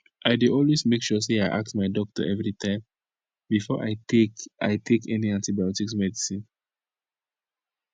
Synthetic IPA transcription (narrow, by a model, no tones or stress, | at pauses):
ʔaɪdiɔlwesmekʃus̬eaɪʔa̰k̚tmaɪdɔk̚tṵʔɛvɹitʰãɪ̃m | bifɔʔa̰ɪteka̰ɪtʰekʰɛniãntibajɔtiksmɛdisĩn